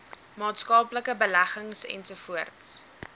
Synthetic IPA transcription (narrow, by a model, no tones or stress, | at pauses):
mɑːtskɑːpləkəbəlæχəŋsɛ̰nsufuərts